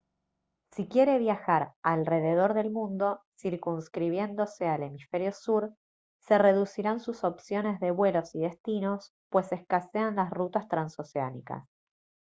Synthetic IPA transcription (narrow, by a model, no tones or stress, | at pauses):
sikje̞ɾe̞β̞jaxaɾalre̞ðe̞ð̞o̞ɾðe̞lmũnd̪o̞siɾkunskɾiβje̞nd̪o̞se̞ale̞mife̞ɾjo̞suɾ | se̞re̞ðusiɾansuso̞psjo̞ne̞zðe̞βwe̞lo̞siðe̞st̪ino̞s | pwe̞se̞skaseanlasrut̪ast̪ɾanso̞seanḭka̰s